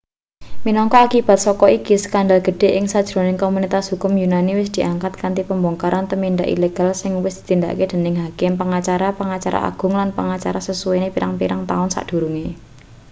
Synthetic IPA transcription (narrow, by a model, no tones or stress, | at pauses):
minɔŋkɔakib̥a̤t̪̚sɔkɔikisə̥kandalɡ̥ə̤ɖ̥e̤ʔɪŋsad̥ʒ̥ɾo̤nɪŋkomunit̪asɦukʊmjunaniwɪsd̪̥iʔaŋkat̪̚kant̪ipəmbɔŋkaɾʔant̪əmind̪aʔḭleɡ̥a̤lsɪŋwɪsd̪̥i̥t̪ind̪a̰ked̪̥ə̤nɪŋɦakɪmpəŋat͡ʃaɾapəŋat͡ʃaɾa̰ʔa̰ɡ̥ʊ̤ŋlanpəŋat͡ʃaɾasəsuwenepiɾaŋpiɾaŋt̪a̰ʊnsa̰ʔd̥ṳɾuŋe